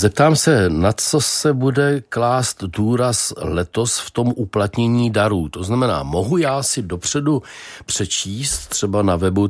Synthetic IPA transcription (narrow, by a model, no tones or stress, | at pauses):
zɛp̚t̪aːmsɛnat͡so̞sɛbudɛklaːst̪duːɾaslɛt̪o̞sft̪o̞mʔuplat̪ɲɛɲiːdaɾuːt̪o̞znamɛna̰ːmo̞ɦujaːsɪdo̞pr̝̥ɛdupr̝̥ɛt͡ʃiːst̪ːr̝̥ɛbanavɛbu